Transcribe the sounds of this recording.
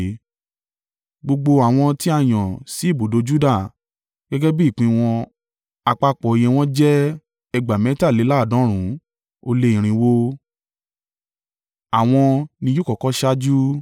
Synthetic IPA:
ɡ͡bo˧ɡ͡bo˧a˨w̃ɔ̃˧ti˦a˦˨j̃ɔ̃˨si˨˦i˦˨bo˨do˨˦d͡ʒu˦da˦˨ | ɡ̥ɛ˦ɡɛ˦bi˦˨k͡pĩ˧w̃ɔ̃˧ | a˧k͡pa˧˦k͡pɔ˨e˨˧j̃ɛ̃˧w̃ɔ̃˦d͡ʒɛ˦ | ɛ˧ɡ͡ba˨mɛ̃˨˦ta˦˨le˨˦la˦˨dɔ̃˨˦ɾ̃ũ˨˦ | o˧le˧˦ĩ˨ɾ̃ĩ˧wo˦ | a˨w̃ɔ̃˧nĩ˧ju˦kɔ˨kɔ˦ʃa˦d͡ʒu˦

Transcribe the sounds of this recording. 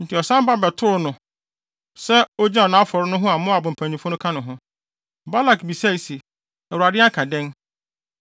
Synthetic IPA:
n̩˨tʰɪ˨ɔ˨sã˦ba˦bɛ˨tʰʊ˦ʊ˦˨nʊ̃˨ | sɛ˦ɔ˦d͡ʑɛ̃˦ɔ˨nã˨˦fɔ˨ɾʊ˦nʊ̃˦ɦʊ̃˦a˨mʊ̃˦a˨bʊ̃˨m̩˨pʰæ̃˨ɲĩ˨fʊ̃˦nʊ̃˦kʰã˦nʊ̃˨ɦʊ̃˦ | ba˦la˨kbi˨sa˦i˨si˨ | ɛ˨wu˨ɾa˨dɪ˦a˦kʰã˨dɛ̃˦n

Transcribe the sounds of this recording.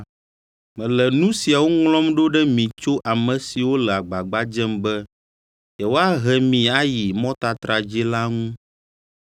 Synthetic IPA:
mɛ̃˨lɛ˨nũ˦si˨a˨wo˦ŋlɔ̃˦mɖo˦ɖɛ˦mĩ˨t͡ʃo˦ʔa˨mɛ̃˨si˨wo˦lɛ˨a˨ɡ͡ba˨ɡ͡ba˦d͡ʒɛ˦mbɛ˦ | ɛ˨wo˦a˦ɦɛ˨mĩ˨a˦ji˨mɔ̃˦t̪a˨t̪ɾa˨d͡ʒi˦la˦ŋũ˦

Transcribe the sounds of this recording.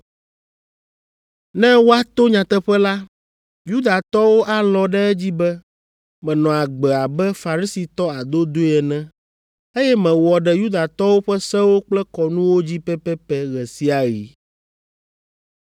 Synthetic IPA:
nɛ̃˦wo˦a˦t̪o˦ɲã˨t̪ɛ˦ɸɛ˦la˦ | ju˦d̪a˨t̪ɔ˦wo˦ʔa˦lɔ̃˦ɖɛ˦ɛ˦d͡ʑi˦bɛ˦ | mɛ̃˨nɔ̃˨a˨ɡ͡bɛ˨a˨bɛ˦fa˨ɾi˦si˨t̪ɔ˦a˨d̪o˦d̪o˦ɛ˨nɛ̃˦ | e˦jɛ˦mɛ̃˨wɔ˨ɖɛ˨ju˦d̪a˨t̪ɔ˦wo˦ɸɛ˦sɛ̃˦wo˦k͡plɛ˦kɔ˨nũ˦wo˦d͡ʑi˦pɛ˦pɛ˦pɛ˦ɣɛ˨si˦a˨ɣi˨˦

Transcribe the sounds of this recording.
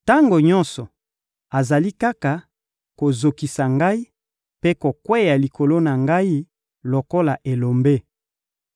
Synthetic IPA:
ta˦ŋɡo˨ɲɔ̃˦nsɔ˨ | a˨za˨li˦ka˦ka˨ | ko˨zo˨ki˨sa˨ŋɡa˦i˦ | pe˦ko˨kwe˦ja˨li˨ko˨lo˦na˨ŋɡa˦i˦ | lo˨ko˦la˨ʔe˨lo˨mbe˦

